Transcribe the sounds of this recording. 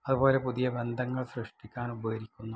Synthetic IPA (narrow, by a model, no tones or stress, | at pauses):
ɐðubo̞ːle̞puðijɐbe̞nd̪ʱɐŋːɐɭsrɨʂʈikʲːaːnubɐɣɐɾikʲːunːu